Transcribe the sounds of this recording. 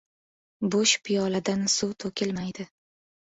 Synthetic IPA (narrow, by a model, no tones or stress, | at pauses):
bʊʃpʰɪjɒlad̪ansuwt̪ʰokʲʰɪlmajd̪ɪ